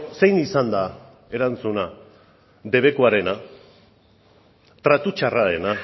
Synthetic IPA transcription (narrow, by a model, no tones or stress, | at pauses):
se̞jnisand̪a | e̞ɾant͡suna | d̪e̞βe̞koaɾe̞na | t̪ɾat̪ut͡ʃaraɾe̞na